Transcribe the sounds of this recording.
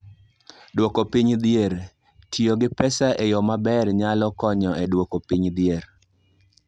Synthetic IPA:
dwokopiɲd̪ɪeɾ | tʰjoɡɪpɛsaʔejɔmabɛrɲalɔkɔɲɔedwokopiɲd̪ɪjeɾ

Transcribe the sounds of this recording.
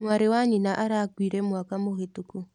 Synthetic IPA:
mwaɾewaɲinaʔaɾakwiɾɛmwakamohetuku

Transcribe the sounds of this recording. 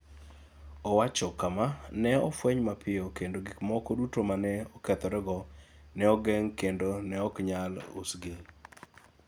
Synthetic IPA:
ɔwat͡ʃɔkamanɛɔfwɛɲmapʰɪokendoɡikmɔkodutomanɛɔkɛt̪ɔɾɛɡɔnɛɔɡɛŋkendonɛɔkɲalṵsɡɪ

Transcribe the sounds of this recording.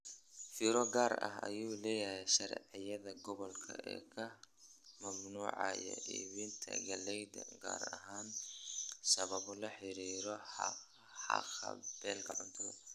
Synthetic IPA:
fiɾɔɡaːɾɐ̰ɦɐ̰juːlɛːjɐɦɛjʃɐɾɛ̰ʕɪjɐðɐɡɔβɔlkʰɐ̰ʔɛ̰ːkʰɐ | mɐmnuːʕɑ̰jɔ̰ʔḭːβint̪ʰɐ̰ɡɐlɛjd̪ɐɡa̰ːɾɐ̰ɦaːn | sɐβɐβɔlɐħɪɾiːɾɔħɑ | ħɑ̰qɐ̰b̥ɛːlkʰɐʕʊnt̪ʰɔð̰

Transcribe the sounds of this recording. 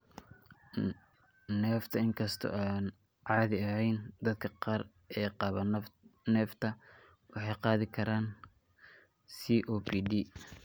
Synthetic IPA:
nɛːft̪ʰɐɪŋkʰɐst̪ʰɔ̰aːn | ʕɑːðɪɐhɛjnd̪ɐd̪kʰɐqɑːr | ɛːqɑːβɐnnɛːft̪ʰɐ | wɑħɑjqɑːðɪkʰɐɾaːn | siːʔoːpʰidiː

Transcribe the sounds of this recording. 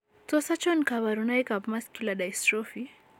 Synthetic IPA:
t͡sosat͡ʃonkaβaɾunajkabmaskiladajstɾofi

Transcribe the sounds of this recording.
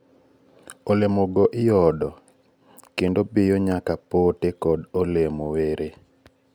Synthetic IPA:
olemoɡɔʔɪjɔdɔ | kendobɪjoɲakapotekɔdolemoweɾe

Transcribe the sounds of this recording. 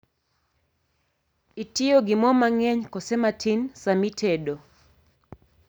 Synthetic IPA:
itioɡɪmɔmaŋɛɲkɔsɛmatʰinsamitʰedo

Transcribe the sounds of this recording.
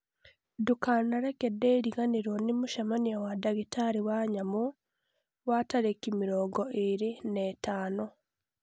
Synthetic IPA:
dukaːnaɾekedeɾiɣaniɾonimuʃamaniawadaɣitaɾiwaɲamu | wataɾekimiɾoːɡoʔeɾinetaːno

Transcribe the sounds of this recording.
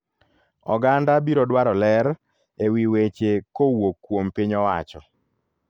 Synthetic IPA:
ɔɡandabiɾɔdwaɾɔlɛɾ | ewiwet͡ʃekowokːwompiɲɔwa̰t͡ʃɔ

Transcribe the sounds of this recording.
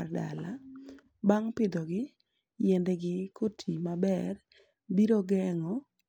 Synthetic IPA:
rda̰la | baŋpɪd̪ɔɡɪ | jɛndɛɡɪkʰotʰimabɛr | biɾoɡɛŋɔ

